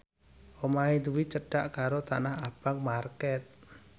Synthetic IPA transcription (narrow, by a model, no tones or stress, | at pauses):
ʔomaid̪uwit͡ʃəɖ̥aʔkaɾot̪anaɦab̥aŋ̚markɛt̪̚